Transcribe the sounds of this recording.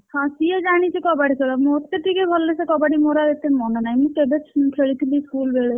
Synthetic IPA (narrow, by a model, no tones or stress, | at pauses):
hɔ̃sied͡ʒaɽ̃it͡ʃʰikɔbaɽikʰeɭamot̪eʈikebʱɔlːesekɔbaɖimoɾaet̪emɔnɔnajmũkebet͡ʃʰkʰeɭit̪ʰiliskulbeɭe